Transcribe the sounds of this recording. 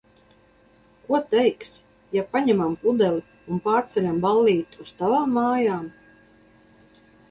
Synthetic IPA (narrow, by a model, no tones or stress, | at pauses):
kuɔt̪ɛjks | japaɲɛmampud̪ɛli | unpaːɾt̪sɛlʲambalˠːiːt̪ust̪avaːmːaːjaːm